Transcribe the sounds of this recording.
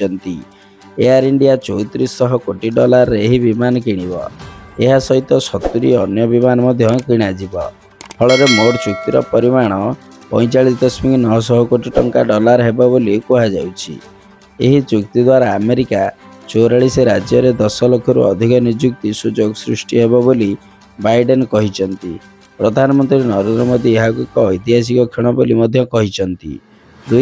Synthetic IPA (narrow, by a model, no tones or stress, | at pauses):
t͡ʃɔnt̪i | eaɾiɳɖiat͡ʃɔwt̪iɾisːɔɦɔkoʈiɖɔlaɾɔɾeeɦibimanɔkiɽ̃ibɔ̰eɦasɔɦit̪ɔsɔt̪uɾiɔnjɔbimanɔmɔd̪ʱjɔkiɽ̃ad͡ʒibɔ | pʰɔɭɔɾemoɽt͡ʃuk̚t̪iɾɔpɔɾimaɽ̃ɔ | pɔ̰j̃t͡ʃaɭisd̪ɔsmiknɔɦɔs̬ɔɦɔkoʈiʈɔŋkaɖɔlaɾɔɦebabolikuɦad͡ʒawt͡ʃʰḭ | eɦit͡ʃukt̪id̪waɾaːmeɾikat͡ʃoɾaɭiseɾad͡ʒjɔɾed̪ɔsɔlokʰɔɾṵɔ̰d̪ʱikɔnid͡ʒuk̚t̪isud͡ʒoɡɔsɾusʈiɦebɔboli | bajɖenkɔɦit͡ʃʰɔnt̪i | pɾɔd̪ʱanɔmɔnt̪ɾinɔɾend̪ɾɔmod̪ʱieɦakɔkɔːjt̪iɦas̬ikɔkʰiɽ̃ɔbolimɔd̪ʱjɔkɔɦit͡ʃʰɔnt̪ḭ | d̪u